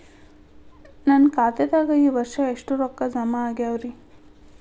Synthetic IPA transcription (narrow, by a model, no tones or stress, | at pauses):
nɐnkaːt̪ɛd̪aːɡɐiːʋɐɾʂɐeʂʈuɾɔkːɐd͡ʒɐmaːɡeɐʋɾi